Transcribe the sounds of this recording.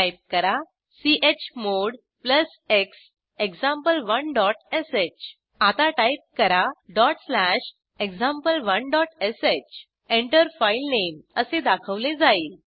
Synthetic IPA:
ajp̚kəɾa | siʔet͡ɕmoɽ | pləs | eks | eksãmpəlʋənɖɔʈeset͡ɕ | at̪aʈajp̚kəɾaɖɔʈslæɕ | ekd͡zãmpəlʋənɖɔʈeset͡ɕ | eɳʈəɾfailneməsẽd̪akʰəʋlẽd͡zaiːl

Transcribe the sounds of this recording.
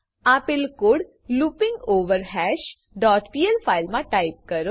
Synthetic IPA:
apɪlkʊɽ | luːpɪ̃ŋɡoːʋəɾɦɛːʃ | ɖɔːʈpiːelpʰaːɪlmãʈaːɪp̚kɐɾoː

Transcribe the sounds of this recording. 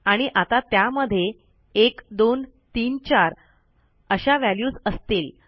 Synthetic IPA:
aɽ̃iʔat̪at̪jaməd̪ʱje | ekd̪on | t̪iːnt͡ɕaɾ | əɕaʋæljuːd͡zəst̪iːl

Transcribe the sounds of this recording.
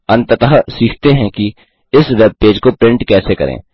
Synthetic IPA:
ɐ̃nt̪ət̪əɦsiːkʰt̪eɦɛ̃ki | ɪsʋeːb̚peːd͡ʒkopɾɪ̃ɳʈkɛːsekɐ̰ɾʔḛ̃ː

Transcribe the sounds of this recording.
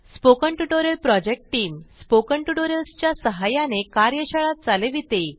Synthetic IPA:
spokəɳʈuʈoɾelpɾɔd͡ʑek̚ʈʈiːmspokəɳʈuʈoɾelst͡ɕjasəɦajanekaɾjəɕəɭat̪̚t͡saleʋit̪e

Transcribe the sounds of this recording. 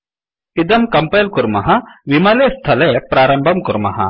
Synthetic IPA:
id̪ɐmkɐmpɐlkuɾmɐɦɐʋimalest̪ʰɐlepɾaːɾɐmbʱɐmkuɾmɐɦɐ̰

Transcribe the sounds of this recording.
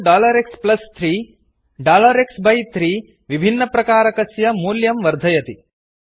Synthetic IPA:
ɖaːlɐɾeksplɐst̪ʰɾiː | ɖaːlɐɾeksbɐjt̪ʰɾiː | ʋibʱinːɐpɾɐkaːɾɐkɐsjɐmuːljɐmʋɐɾd̪ʱɐjɐt̪i

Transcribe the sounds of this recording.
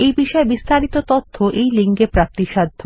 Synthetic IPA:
ejbiʃɔebist̪aɾit̪ot̪ot̪ʰːoʔejliŋɡepɾak̚t̪iʃad̪ʱːo

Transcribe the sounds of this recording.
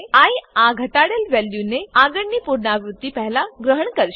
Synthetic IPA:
ãĩãɡʱəʈaɽjəlʋɛljuneaːɡəɳnipuɾnaʋɾut̪ːipɛɦlaɡɾəɦəɳkəɾʃ

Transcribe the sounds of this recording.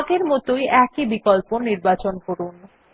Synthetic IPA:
ɡeɾmɔt̪ojʔɛkibikolponiɾbat͡ɕonkoɾun

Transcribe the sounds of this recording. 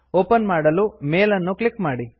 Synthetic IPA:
oːpɐnmaːɽɐlumeːlɐnːuklikmaːɽi

